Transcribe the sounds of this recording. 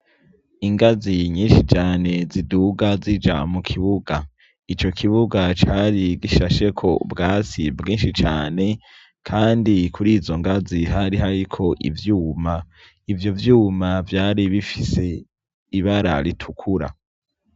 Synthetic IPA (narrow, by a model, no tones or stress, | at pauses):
iŋɡaziɲiːnʃit͡ʃaːne̞ziduɡazid͡ʒa̰mukʰiβuɡa | it͡ʃo̞kʰiβuɡat͡ʃaːɾiɡiʃaʃe̞kʰo̞̰bɡaːt͡sibɡiːnʃit͡ʃaːne̞ | kʰaːndikʰuɾiːzo̞ŋɡaziɦaɾiɦaɾikʰo̞ʔḭvjuːma | ivjo̞vjuːmavjaːɾiβifise̞ | iβaɾa̰ɾitʰukʰuɾa̰